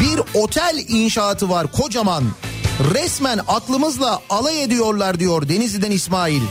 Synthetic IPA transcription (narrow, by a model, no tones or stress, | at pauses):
biɾo̞t̪ʰælʲinʃaːt̪ʰɯvaɾkʰo̞d͡ʒamanɾɛsmænaklˠɯmɯzlˠaalˠajed̪ijo̞ɾlˠaɾd̪ijoɾd̪e̞nizid̪ænismaːilʲ